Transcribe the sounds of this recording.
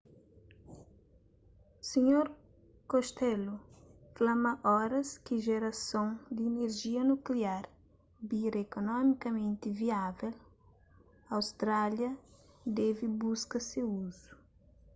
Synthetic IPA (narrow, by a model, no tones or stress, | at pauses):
siɲoɾ | koʃt̪ɛluflamɐʔɔɾɐskɪʒeɾɐsõŋd̪iːneɾʒiɐnukliaɾ | biɾɐekonɔmikɐmẽnt̪iviavɛl | ɐwst̪ɾaljɐd̪ɛvibuskɐsewuzu̥